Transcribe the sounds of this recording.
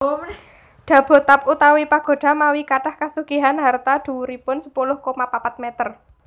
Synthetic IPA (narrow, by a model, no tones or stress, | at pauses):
d̥a̤b̥o̤t̪ap̚ut̪awipaɡ̥o̤ɖ̥a̤mawikaʈahkasuɡ̥iɦanɦart̪ad̪̥ṳwuɾipʊnsə̥pulʊhkomapapat̪̚mɛt̪ər